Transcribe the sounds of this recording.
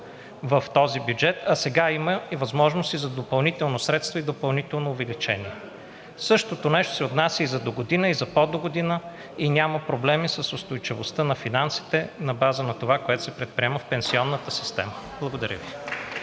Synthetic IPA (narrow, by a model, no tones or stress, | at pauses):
vəft̪ɔzibʲjud͡ʒɛt̪ɐsɛɡaiməivɐzmɔʒnost̪izɐd̪opɐlˠnit̪ɛlˠnosɾɛt̪st̪vɐid̪opɐlˠnit̪ɛlˠnoːvɛlit͡ʃɛniɛ | sɤʃt̪ot̪onɛʃt̪o̥sɛot̪nasʲəizɐd̪oɡod̪inəizɐpɔd̪oɡod̪inə | inʲaməpɾoblɛmisəsʊst̪ojt͡ʃivost̪ənɐfinansi̥t̪ɛnɐbazənɐt̪ovakoɛt̪o̥sɛpɾɛt̪̚pɾiɛməfpɛnsiɔnːət̪əsi̥st̪ɛ̰məb̥lˠəɡod̪ɐɾʲə̰vi